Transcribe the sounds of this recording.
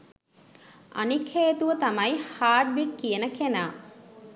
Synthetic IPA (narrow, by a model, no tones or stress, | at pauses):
ɐ̰nikʰheːt̪uʋət̪ɐmɐjihaːɖ̚ʋikːijenəkenaː